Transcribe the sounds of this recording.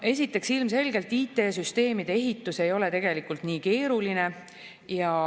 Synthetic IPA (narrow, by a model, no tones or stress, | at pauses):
e̞sit̪ːˑe̞ksilmse̞lɡe̞lt̪iːt̪e̞ːsyst̪e̞ːmid̪̥eeɦit̪ːˑuse̞jo̞le̞t̪e̞ɡ̥e̞likult̪niːke̞ːɾuline̞ | jɑ